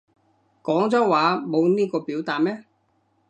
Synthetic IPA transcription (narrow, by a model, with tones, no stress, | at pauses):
kɔː˨˥ŋt͡sɔː˨˥waː˨˧mo˨˧wniː˥kɔː˧piː˨˥wt̪aː˨t̚mɛː˦˥